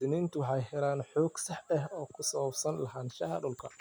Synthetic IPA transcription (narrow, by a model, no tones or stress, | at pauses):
ɪniːnt̪ʰʊwɑħɑjɦɛlaːnħɔːɡsɑħɐhɔːkʰʊsɐwɐbsɐnlɐɦaːnʃɐhɐ̰ɖʊlkʰɐ̰